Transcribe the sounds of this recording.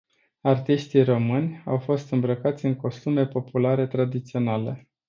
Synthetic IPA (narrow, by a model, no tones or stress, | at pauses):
art̪iʃt̪iro̞mɨnʲawfo̞st̪ɨmbɾəkat̪sʲɨŋko̞st̪ume̞po̞pulaɾe̞t̪ɾad̪it̪sio̞nale̞